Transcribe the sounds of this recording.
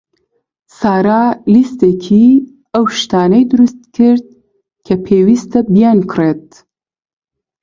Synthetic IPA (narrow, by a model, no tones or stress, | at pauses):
saːɾaːlist̪ekʰi | ɐwʃt̪aːnɐjd̪ɨɾust̪̚kʰɨɾd̪̚ | kʰɐpʰeːwiːst̪ɐbijankʰret̪̚